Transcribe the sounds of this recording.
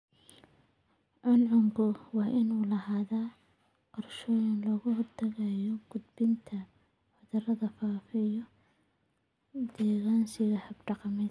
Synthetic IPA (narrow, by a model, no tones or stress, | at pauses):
ʕʊnʕʊmɡʊwɑːʔɪnuːlɐhaːðaː | qɔrʃɔːjɪnlɔːɣʊhʊrt̪ʰɐɣajɔɡ̥ʊd̪bɪnt̪ʰɐ | ħʊðɐrɐðɐfaːfɛjɔ | d̪̥ɛːɣaːnsɪɣɐhɐbɖɑqɑmɛ